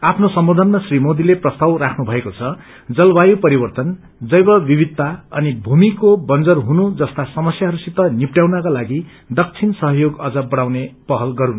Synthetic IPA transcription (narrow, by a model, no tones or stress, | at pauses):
apʰnosʌmbod̪ʱʌnmasrimod̪ileprʌst̪ʌwrakʰnubʱʌekot͡sʰʌ | d͡zʌlbajupʌɾibʌrt̪ʌn | d͡zʌjbʌbibid̪̚tːaʌnibʱumikobʌnd͡zʌrɦunud͡zʌst̪asʌmʌsjaɦʌɾusit̪ːʌnipʈjawnakalaɡi | d̪ʌk̚t͡sʰinsʌɦʌjoɡʌd͡zʌbʌɽ̃awnepʌɦʌlɡʌɾun